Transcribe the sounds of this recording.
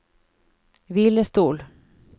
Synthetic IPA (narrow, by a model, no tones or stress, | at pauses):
vɪlːəst̪uːl